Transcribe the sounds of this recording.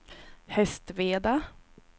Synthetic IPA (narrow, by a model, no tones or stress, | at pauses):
hɛst̪veːd̪a